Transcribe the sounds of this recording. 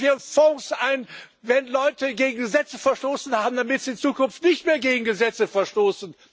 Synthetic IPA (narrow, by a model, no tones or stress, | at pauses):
iːəfɔŋsʔaɪn | vɛnlɔʏtʰəɡeːɡŋ̩ɡəzɛt͡səfɛɐʃtoːsn̩haːbm̩damɪtz̥iːɪnt͡suːkʊnftnɪçtmeːɐɡeːɡŋ̩ɡəzɛt͡səfɛɐʃtoːsn̩